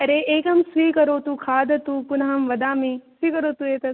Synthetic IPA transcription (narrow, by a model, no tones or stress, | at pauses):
ɐɾeʔeːkɐmsʋiːkɐɾoːt̪uːkʰaːd̪ɐt̪uːpʊnɐɦɐmʋɐd̪aːmẽsʋiːkɐɾoːt̪ueːt̪ɐ